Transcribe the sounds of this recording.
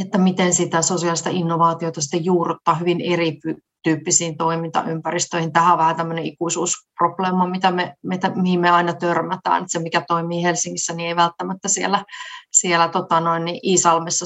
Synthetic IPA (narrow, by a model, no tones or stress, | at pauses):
et̪ːæmit̪ensit̪æsosiɑlist̪ɑinːoʋɑːt̪iot̪ɑsi̥t̪ːejuːrut̪ːɑːhyʋineripy | t̪yːpːisiːnt̪oimint̪ɑ̰ʔympærist̪øihint̪æhæoʋæhæt̪æmːøneikuisuːsprobleːmɑmit̪æmemet̪æmihimmeɑinɑt̪ørmæt̪æ̰ːnet̪semikæt̪oimiːhelsiŋːisːænieiʋælt̪ːæmæt̪ːæsielæsielæt̪ot̪ɑnoinːiʔiːsɑlmesːɑ